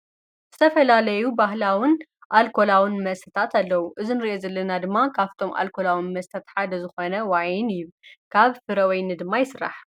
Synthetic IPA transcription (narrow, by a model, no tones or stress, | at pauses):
zɨt̪ʰɐfɐlalɐjubaɦlawɨnʔalkʰo̞lawɨnmɐsɐt̪ʰat̪alːɐwuʔɨzinɨɾiʔozɐlːɐnad̪ɨmːakʰaβt̪ʰo̞mʔa̰lkʰo̞lawinmɐst̪ʰat̪ħad̪ɐzɨxo̞nɐwajɪnjɪβkʰaβfɨɾɐwɐjnɨd̪ɨmːajɪsɨra̰ħ